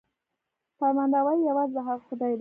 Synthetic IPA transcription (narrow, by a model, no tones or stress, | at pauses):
faɾmand̪awajjawazlaɦaɾxʊd̪ɑjd̪